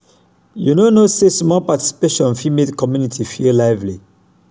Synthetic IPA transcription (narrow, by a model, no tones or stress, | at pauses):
junonosesmɔlpati̥si̥peʃɔ̃nfimetkʰɔmjunitʰifilaɪvli